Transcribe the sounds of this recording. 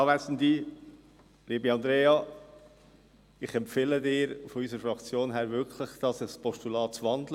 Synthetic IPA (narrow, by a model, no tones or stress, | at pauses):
ɑːʋæsəndi | liːbəɑnd̪ɾeːɑ | ɪχɛmpfeːlədɪːɾfɔysəɾəfɾɑkt͡sjoːnɦæːɾvɪkʰləχd̪̥ɑsəspɔʃtulɑːtt͡svɑndl